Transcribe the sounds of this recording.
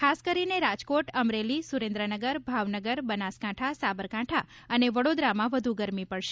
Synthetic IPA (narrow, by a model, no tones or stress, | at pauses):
kʰaskəɾineɾad͡ʒkoʈəmɾelisuɾẽnd̪ɾənəɡəɾbʱaʋnəɡəɾbənaskãʈʰasabəɾkãʈʰa | əneʋəɽod̪ɾamãʋəd̪ʱuɡəɾmipəɭʃe